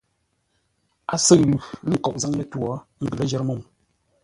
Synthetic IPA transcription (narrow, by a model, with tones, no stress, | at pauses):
a˨sɨ˦ʔlu˨lə˦˨kɔ˨ʔ̚za˦ŋlə˦tu˦ɔ˨˦ŋ̩˦ɡə˨lə˦d͡ʒɛ˦ɾmo˦˨m